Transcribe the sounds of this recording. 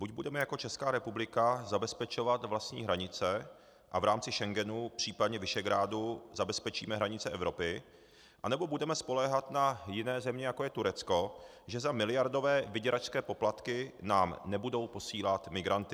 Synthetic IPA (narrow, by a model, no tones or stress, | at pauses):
buɟbudɛmɛjako̞t͡ʃɛskaːɾɛpublɪkazabɛspɛt͡ʃo̞vat̪vlast̪ɲḭːɦɾaɲɪt͡sɛ | ʔavɾaːmt͡sɪʃɛŋɡɛnupr̝̥iːpadɲɛvɪʃɛɡɾaːduzabɛspɛt͡ʃḭːmɛɦɾaɲɪt͡sɛʔɛvɾo̞pɪ | ʔanɛbo̞budɛmɛspo̞lɛːɦat̪najɪnɛːzɛmɲɛjako̞jɛt̪uɾɛt͡sko̞ | ʒɛzamɪlɪjaɾdo̞vɛːvɪɟɛɾʔat͡ʃskɛːpo̞plat̪kɪnaːmnɛbudo̞wpo̞siːlat̪mɪɡɾant̪ɪ